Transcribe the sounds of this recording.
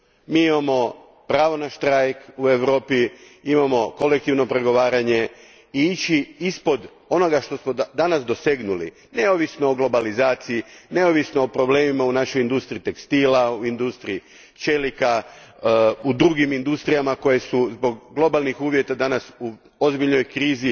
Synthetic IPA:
miːimamo̞ | pɾaːʋo̞naʃt̪ɾajkue̞ʋɾo̞ːpi | imamo̞ko̞le̞k̚t̪iʋno̞pɾe̞ɡo̞ʋaːɾaɲe̞ | iit͡ɕiispo̞d̪ | o̞no̞ɡaʃt̪o̞smod̪anasd̪o̞se̞ɡnulḭ | ne̞oʋisnooɡlo̞balizaːt̪siine̞oʋisno̞opɾo̞ble̞ːmimaunaʃo̞jind̪ust̪ɾit̪e̞kst̪iːlauind̪ust̪ɾii | t͡ʃelika | ud̪ɾuɡimind̪ust̪ɾijamako̞je̞suzbo̞ɡɡlˠo̞balˠnixuːʋje̞t̪ad̪anasu | o̞zbiʎno̞jkɾiːzi

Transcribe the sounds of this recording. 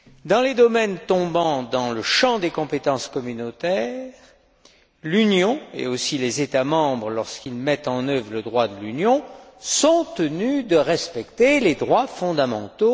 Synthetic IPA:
d̪ɑ̃led̪ɔmɛnt̪ɔ̃bɑ̃d̪ɑ̃ləʃɑ̃d̪ekɔ̃pet̪ɑ̃skɔmynot̪ɛʁʁ | lynjɔ̃ḛosilezet̪amɑ̃bʁlɔʁskʲilmɛt̪ɑ̃nœvʁləd̪ʁwad̪əlynjɔ̃sɔ̃t̪ənyd̪əʁɛspɛkt̪eled̪ʁwafɔ̃d̪amɑ̃t̪o

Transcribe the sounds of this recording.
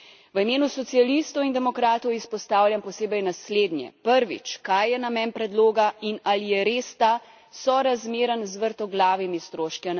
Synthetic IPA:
ʋəimeːnusɔt̪sijalist̪ɔwind̪ɛmɔkɾaːt̪ɔwispɔst̪aːwljampɔseːbəjnasleːd̪njɛ̰pəɾʋḭt͡ʃkajːɛnamɛnpɾɛd̪loːɡainalijɛɾeːst̪a | sɔɾazmeːɾənzʋəɾt̪ɔɡlaːʋimist̪ɾoːʃkian

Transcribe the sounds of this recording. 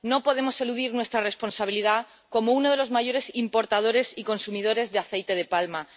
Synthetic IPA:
no̞po̞ð̞e̞mo̞se̞luðiɾnwe̞st̪ɾare̞spo̞nsaβiliða | ko̞mouno̞ð̞e̞lo̞zmaʝo̞ɾe̞simpo̞ɾt̪að̞o̞ɾe̞siko̞nsumið̞o̞ɾe̞zðeaθe̞jt̪e̞ð̞e̞palma

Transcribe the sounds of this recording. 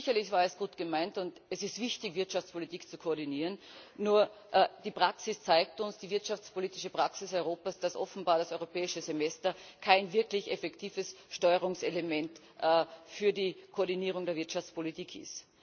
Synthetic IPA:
ɪçɐlɪçvaːɐɛsɡ̥uːtɡ̥əmaɪntʊntɛsɪstv̥ɪçtɪçv̥ɪɐtʃaft͡spʰolitiːkt͡sukʰoːɐdiniːʁənːuːɐ | ʔd̥iːpʁ̥aksɪst͡saɪk̚tʊnsd̥iːvɪɐtʃaft͡spoliːtɪʃəpʁ̥aksɪsɔʏʁoːpasd̥asʔɔ̰fn̩baːɐɾasɔʏʁopɛːɪʃəzemɛstɐkʰaɪnvɪɐklɪçefɛktʰiːvəsʃtɔʏəʁʊŋselemɛnt | ʔfyːɐdiːkʰoːɐdiniːʁ̞ʊŋdeɐvɪɐtʃaft͡spolitiːkʰɪ̰st

